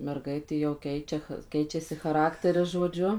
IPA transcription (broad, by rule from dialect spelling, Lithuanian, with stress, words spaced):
mʲɛrˈɡɐɪtʲeː jɛʊ ˈkʲɛɪt͡ʃʲɛ x ˈkʲɛɪt͡ʃʲɛsʲɪ xɐˈrɑːktʲɛrʲɪs ʒoːˈd͡ʒʲʊ